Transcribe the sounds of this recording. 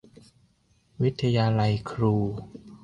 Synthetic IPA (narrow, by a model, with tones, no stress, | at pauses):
wi˦˥t̪ʰːa˧jaː˧la˧jkʰɾuː˧